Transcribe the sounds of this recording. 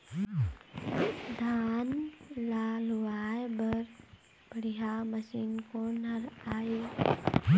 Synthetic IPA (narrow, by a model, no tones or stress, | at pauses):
d̪ʱaːnlaːluʋaːjbəɾ | bəɽiɦaməsiːnkonəɾaːe